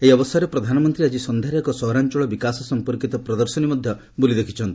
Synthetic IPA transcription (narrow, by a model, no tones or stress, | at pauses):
eiɔbɔsaɾepɾɔd̪ʱanɔmɔnt̪ɾiad͡ʒisɔnd̪ʱaɾjɔkɔsɔɦɾant͡ʃɔɭɔbikasɔsɔmpɔɾkit̪ɔpɾɔd̪ɔɾsɔnimɔd̪ʱjɔ | bulid̪ekʰit͡ʃʰɔnt̪i̥